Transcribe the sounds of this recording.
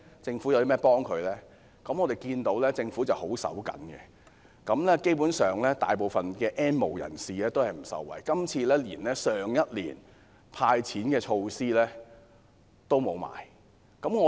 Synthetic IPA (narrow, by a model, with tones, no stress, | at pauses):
t͡sɪ˧ŋfu˨˥jɐ˨˧wt̪i˥mɛː˥pɔː˥ŋkʰɵ˨˧ɥlɛː˥ | kɐ˨˥mŋɔ˨˧te˨˩jkiː˧nt̪o˨˥wlɛː˥t͡sɪ˧ŋfuː˨˥t͡sɐ˨who˨˥wsɐ̰˨˥wkɐ̰˨˥nkɛ̰˧ | kɐ˨˥mlɛː˥ke˥jpuː˨˥nsœː˨˩ŋlɛː˥t̪a̰ː˨jp̬o˨wfɐ˨nkɛː˧ʔɛː˥nmo̰˨˩wjɐ̰˨˩nsiː˨lɛː˥t̪o˥whɐ˨jm̩˨˩sɐ̰˨˩wːɐ̰˨˩jkɐ˥mt͡sʰiː˧lɛː˥liː˨˩nlɛː˥sœː˨ŋjɐ˥t̚lḭː˨˩n | pʰaː˧jt͡sʰiː˨˥nkɛː˧t͡ʃʰo˧wsiː˥lɛː˥ | t̪o˥wmo˨˧wma̰ː˨˩j | kɐ˨˥mŋɔ˨˧